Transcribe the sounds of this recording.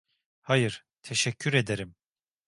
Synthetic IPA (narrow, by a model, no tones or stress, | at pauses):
hajɯɾ̥ | t̪ʰeʃɛcʰːyɾed̪eɾim